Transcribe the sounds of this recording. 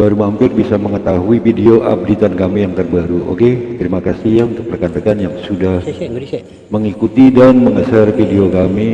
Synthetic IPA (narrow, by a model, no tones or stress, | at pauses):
baɾumampɪrbisaməŋət̪aɦuifideoʔa̰p̚dit̪ankamijaŋt̪ərbaɾuʔo̰ket̪əɾimakasiɦjaunt̪ək̚pərkant̪əkanjaŋsudah | məŋikut̪idanməŋəsərfideokami